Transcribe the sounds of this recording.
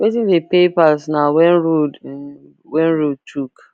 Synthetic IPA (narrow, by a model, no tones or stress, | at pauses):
wetĩndepepasnawɛ̃nɹod | wɛ̃nɹod̚tʰuk